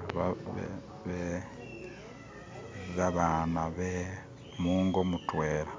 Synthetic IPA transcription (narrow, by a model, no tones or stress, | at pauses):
βa̰ | βe | βaβanaβe | muːŋɡomutwe̞ːɾa